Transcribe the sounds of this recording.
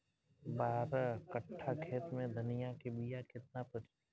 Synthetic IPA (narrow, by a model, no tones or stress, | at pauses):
baːɾakəʈʰːakʰeːt̪mẽd̪ʱənɪjakebijakɪt̪̚napɐɾi